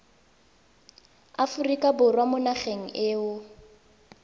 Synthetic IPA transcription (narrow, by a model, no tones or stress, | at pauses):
afurikʼabʊrwamʊnaχeŋ̩ʔɪːʊ